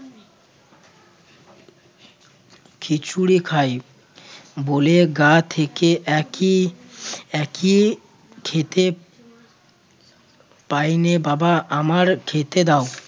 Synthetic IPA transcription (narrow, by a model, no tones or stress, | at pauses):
kʰit͡ɕʰuɽikʰaj | boleɡat̪ʰekeʔɛki | ɛki | kʰet̪e | pajnebabaʔamaɾkʰet̪ed̪ao